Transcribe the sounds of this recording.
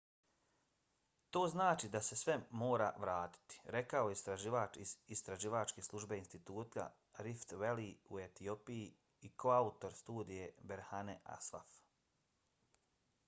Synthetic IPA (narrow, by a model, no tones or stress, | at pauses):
t̪o̞ːznaːt͡ʃid̪ase̞sʋe̞mo̞ːɾa̰ʋɾaːt̪i̥t̪i̥ɾe̞kao̞jeist̪ɾaʒiʋaːt͡ʃiist̪ɾaʒiːʋaːt͡ʃkeslˠuʒbeinst̪it̪uːt̪ka̰ | ɾift̪ʋe̞liue̞t̪io̞piji | ikʰo̞aut̪o̞ɾst̪uːd̪ije̞beɾhaneʔa̰sʋa̰f